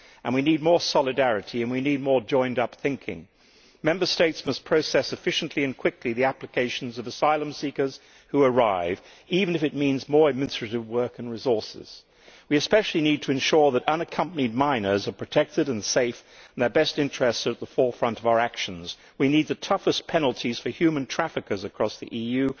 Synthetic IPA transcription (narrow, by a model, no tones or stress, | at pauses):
ʔɨ̰̃nwinid̚mɔɹsɑlˠɨdæɹɨɾiɨ̃nwinid̚mɔɹd͡ʒɔ̃ɪ̃ndʌpθɪ̃ŋkʰɪ̰̃ŋ | mɛ̃mbə˞steɪtsmʌspʰɹ̥oʊsɛsɨfɪʃnʔliɨ̃nkʰw̥ɪkliðiæplɨkʰeɪʃn̩zʌvəsaɪlˠə̃msikə˞z̥ | huə˞aɪv | ivɨ̃nɨfɨt̚mĩnzmɔɹɨd̚mɪ̃nɨstɹ̥ɨɾɨvwɜ˞kɨ̃n̩ɹɨzɔɹsɪ̰z̥ | wiɨspɛʃl̩ˠinid̚tʰɨɨ̃nʃʊɹðəɾʌ̃nɨkʰʌ̃mpənid̚mãɪ̃nə˞zə˞pʰɹ̥ɨtʰɛk̚tɨɾɨ̃nseɪfn̩ðə˞bɛstɪ̃nt͡ʃɹ̥ɛstst̪̚ðəfɔɹfɹʌ̃ntʌvaʊə˞ækʃɨ̃n̩z̥ | winid̪̚ðɨtʰʌfɨspʰɛnl̩ˠtʰiz̥fə˞hjʉmɨ̃ntʰɹ̥æfɨkə˞zɨkʰɹ̥ɔsðḭʔijʉ